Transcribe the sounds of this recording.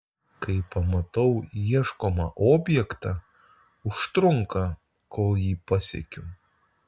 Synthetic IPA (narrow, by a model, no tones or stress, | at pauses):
kɐɪpɐmɐt̪ɐʊjiɛʃkoːmɐʔoːbʲjɛkt̪ɑ | ʊʃt̪ɾʊŋkɐ | koːlˠjiːpɐsʲɛ̰kʲʊ